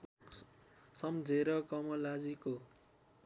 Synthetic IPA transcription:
sʌmd͡zʱeɾʌkʌmʌlad͡ziko

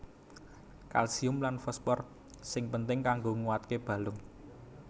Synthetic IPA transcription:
ka̰lsiʊmlanfɔspɔr | sɪŋpənt̪ɪŋkaŋɡoŋuwat̪̚keb̥ä̤lʊŋ

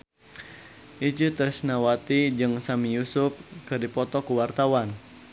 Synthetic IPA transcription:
ʔit͡ʃut̪əsnawat̪id͡ʒɨŋsamijusʊp̚kɨdipɔt̪ɔkuwart̪awan

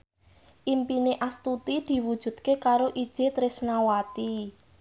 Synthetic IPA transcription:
ʔimpineʔast̪ut̪id̪̥i̤wud̥ʒ̥ṳd̪̥̚kekaɾoʔid̥ʒ̥et̪ɾɪsnawat̪i

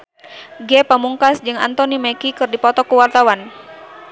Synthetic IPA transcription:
ɡɛpamuŋkasd͡ʒɨŋa̰nt̪ɔnimɛkikɨrdipɔt̪ɔkuwart̪awan

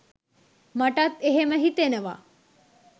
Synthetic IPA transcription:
maʈat̪eɦeməɦit̪enəʋa̰ː

